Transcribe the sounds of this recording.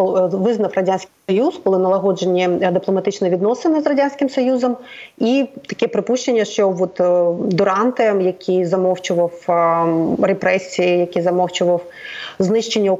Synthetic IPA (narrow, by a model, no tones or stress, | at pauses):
ʋɪznɐfrɐdʲanʲsʲkʲɪsɔjuskɔlˠɪnɐlˠɐɦɔd͡ʒenʲːid̪ɪplˠɔmɐt̪ɪt͡ʃnɛʋʲid̪nɔsenɪzrɐdʲanʲsʲkɪmsɔjuzɐmit̪ɐ̥kʲɛpɾɪpuʃt͡ʃenʲːɐʃt͡ʃɔʋɔt̪d̪ʊɾɑnt̪ɪjɐkʲʰizɐmɔwt͡ʃʊʋɐw | repɾɛsʲijɪjɐkʲizɐmɔwt͡ʃʊʋɐw | znɪʃt͡ʃenʲːɐ